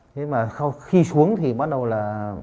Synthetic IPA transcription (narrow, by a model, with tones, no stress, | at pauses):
t̪ʰe˨˦maː˨˩sa˧wxi˧su˨˦əŋt̪ʰi˨˩ɓa˦˥t̚ɗə˨˩wlaː˨˩